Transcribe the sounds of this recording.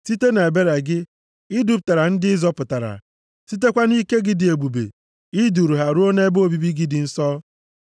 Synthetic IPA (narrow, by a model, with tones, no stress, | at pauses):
si˦te˦ne˨e˨be˦ɾa˨ɡɪ˦ | ɪ˦du˦p̬̚ta˨ɾa˨n̩˦dɪ˦ɪ˦zɔ˦pʊ˨ta˨ɾa̰˨ | si˦t̬e˦kʷa˦ni˦ke˦ɡɪ˨dɪ˨e˨ɡ͡bu˨bḛ˨ | ɪ˦du˨ɾu˨ɦa˨ɾu˦o˦ne˦bo˦bi˦bi˦ɡi˦dɪ˨n̩˦sɔ˦